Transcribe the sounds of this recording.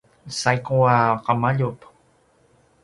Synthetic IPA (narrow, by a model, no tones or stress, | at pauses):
sajkuaqamaʎup